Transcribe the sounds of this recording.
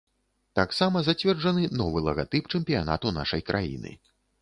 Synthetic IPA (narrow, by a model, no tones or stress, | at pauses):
t̪aksamɐzat͡sʲvʲɛrd͡ʐɐnɨnɔvɨlˠɐɣat̪ɨpt͡ʂɛmpʲija̰na̰t̪una̰ʂɐjkɾʔa̰jḭnɨ̰